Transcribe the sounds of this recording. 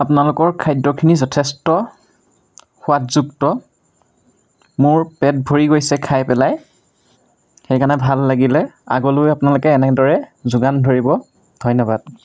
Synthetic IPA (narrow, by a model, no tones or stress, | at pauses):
apʊnalʊkɔɹkʰajdɔkʰinizɔtʰɛstɔ | xʊatzuktɔ | mʊɹpɛt̚bʱoɹiɡojsɛkʰajpɛlaj | xejkanɛbʱalːaɡilɛa̰ɡɔlojapʊnalʊkɛːnɛdɔɹɛzʊɡandʱoɹibɔ | dʱɔjnɔbad̥̚